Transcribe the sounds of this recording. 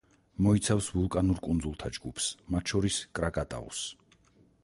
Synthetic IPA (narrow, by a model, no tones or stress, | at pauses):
mɔit̪sʰafsvulˠkʼanuɾkʼund̪zulˠt̪ʰad͡ʒɡupʰsmat̪ʰʃɔɾiskʼɾakʼat̪ʼa̰ɔ̰s